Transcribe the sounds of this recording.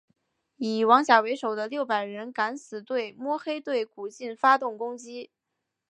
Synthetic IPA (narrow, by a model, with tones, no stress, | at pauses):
i˨˩wɑ˧˥ŋɕjɑ˨˩ʊwe˧˥ɪʂo˨˩ʊd̪ə˦ljo˥˩ʊpa˨˩ɪɻə˧˥nka˧˥nsɹ̩˨˩t̪we˥˩ɪmwɔ˥xe˥ɪt̪we˥˩ɪku˨˩t͡ɕi˥˩nfa˥t̪ʊ˥˩ŋkʊ˥ŋt͡ɕi˥